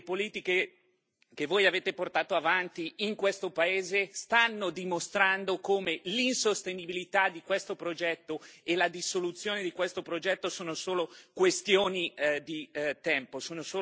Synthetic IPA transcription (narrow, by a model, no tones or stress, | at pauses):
epoliːt̪ike | kevːoːjaveːt̪eport̪aːt̪oavant̪iiŋkwest̪opaeːzest̪anːod̪imost̪ɾand̪okoːmelinsost̪enibilit̪ad̪ikwest̪opɾod͡ʒɛt̪ːoelad̪isolut̪sːjoːned̪ikwest̪opɾod͡ʒɛt̪ːosoːnosoːlokwest̪joːnid̪it̪ɛmposoːnosoː